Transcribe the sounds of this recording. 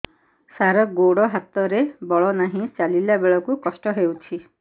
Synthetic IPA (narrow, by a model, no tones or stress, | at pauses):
saɾɔɡoɽɔɦat̪ɔɾebɔɭɔnaɦĩt͡ʃalilabeɭɔkukɔsʈɔɦewtʰi